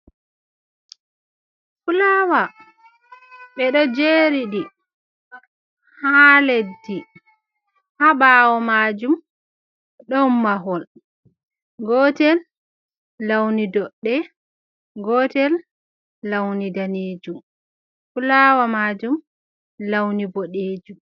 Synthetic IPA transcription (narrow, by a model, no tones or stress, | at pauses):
fulawa | ɓɛɗɔd͡ʒeːɾiɗi | haledːi | haɓaːwɔmaːd͡ʒum | ɗɔmːaɦɔl | ɡɔtɛlː | awnidɔɗːɛ | ɡɔːtɛl | lawnidaneːd͡ʒum | fulawamaːd͡ʒum | lawniboɗeːd͡ʒum